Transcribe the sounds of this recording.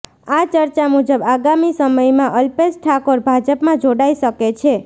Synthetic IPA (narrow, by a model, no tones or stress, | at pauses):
at͡ʃəɾt͡ʃamud͡ʒəbaɡamisəməjmãʔəlpesʈʰakoɾbʱad͡ʒəpmãd͡ʒoɽajʃəket͡ʃʰe